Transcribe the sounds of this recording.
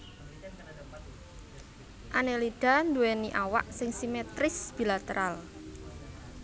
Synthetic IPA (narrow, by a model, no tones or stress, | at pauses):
ʔaneliɖ̥a̤nd̪uweniʔawa̰ʔsɪŋsimet̪ɾɪsb̥i̤lat̪əɾʔal